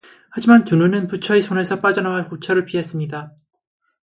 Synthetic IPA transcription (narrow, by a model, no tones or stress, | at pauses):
had͡ʑimantununɯnput͡ɕʰʌisʰone̞sʰʌp͈ad͡ʑʌnawahot͡ɕʰʌɾɯɭpies͈ɯmɲida